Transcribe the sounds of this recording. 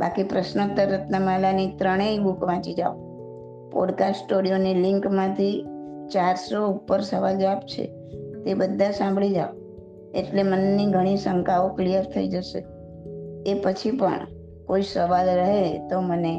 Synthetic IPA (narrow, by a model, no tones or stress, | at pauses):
ba̰kipɾəʃnət̪ːəɾːət̪nəmalanit̪ɾəɽ̃eibukʋãt͡ʃid͡ʒa̰o | pɔ̰ɖkasʈoɽijonilɪŋkmãt̪ʰit͡ʃaɾsoupːəɾsəʋald͡ʒʋapt͡ʃʰḛ | t̪ebəd̪ʱːãsãmbʱɭid͡ʒa̰ʋo | eʈlemənːiɡʱəɽ̃isəŋkaoklijəɾt̪ʰəid͡ʒəʃḛ | epət͡ʃʰipə̰ɳ | koisəʋalɾəɦet̪oməne